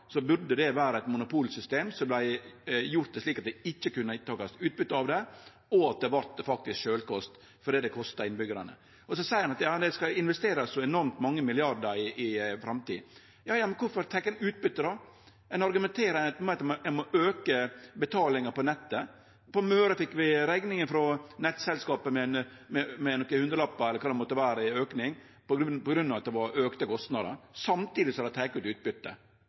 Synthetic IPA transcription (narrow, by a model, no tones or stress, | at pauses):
sɔbʉɾd̪əd̪ɛʋæːɾəɛt̪mʊnʊpʰuːlsʏst̪eːmsɔblæɪjʊɾt̪̚d̪ɛʂliːkɑt̪̚d̪ɛɪçːəkʉnːət̪ɑːkɑst̪ʉːt̪̚bʏt̪ːəɑʋd̪ɛ | ɔɑt̪̚d̪ɛʋɑɾt̪fɑk̚t̪ɪskʃøːlkɔst̪ | fɔɖɛːd̪ɛkʰɔst̪ɑɪnbʏɡəɾɑnə̰ | ɔsɔsæɪɾɑnɑt̪jɑːmd̪ɛskɑɪnʋɛst̪eːɾɑsɔɛnɔɾmt̪mɑŋːəmɪlɪɑɾd̪əɾɪɪfɾɑmt̪ḭːd | jɑːjɑːmɛnkʰʊɾfɔɾt̪ʰɛkːɛnʉːt̪̚bʏt̪ːəd̪ɑ | ɛnɑɾɡʉmɛnt̪ʰeːɾət̪mmɛt̪ːmɔɛmɔʔøːkəbət̪ʰɑːlɪŋəpɔnɛt̪ːə | pɔmøːɾəfɪkːʋɪɾæɡnɪŋəfɾɔnɛt̪ːsɛlskɑːpəmɛnmɛmɛnɔkːəhʉnd̪ɾəlɑpːɑɛlːəkʰɑːd̪ɛmɔt̪ːəʋæːɾəɪøːknɪŋ | pɔpɔɡɾʉnːɑʋɑt̪̚d̪ɛʋɑɾøːkt̪əkʰɔst̪nɑd̪ə̰sɑmt̪iːd̪ɪsɔhɑd̪æt̪ʰæɪkʉːt̪ʉːt̪̚bʏt̪ːə̰